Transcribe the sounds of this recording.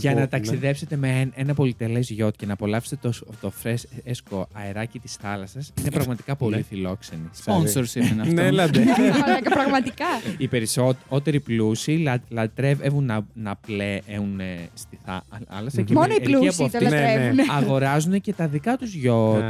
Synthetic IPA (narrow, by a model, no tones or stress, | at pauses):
ʝɐnɐt̪ɐksiðe̞pse̞t̪e̞menenɐpo̞lit̪e̞le̞zʝo̞t̪ce̞nɐːpo̞lɐpse̥t̪ot̪ofɾeseskoɐeɾɐcit̪i̥sθɐlɐsɐsinepɾɐɣmɐt̪ikɐpo̞lifilo̞kse̞nisponsoɾsimenɐfnlɐd̪ɐpɾɐɣmɐt̪ikɐipe̞ɾisotot̪e̞ɾiplusilɐt̪ɾevevunɐnɐpleʔeunest̪iθɐɐ̰lɐsɐcemonoiluiɐspoɐft̪olɐɾeuneɐɣo̞ɾɐzunece̞t̪ɐðikɐt̪uzʝo̞t̪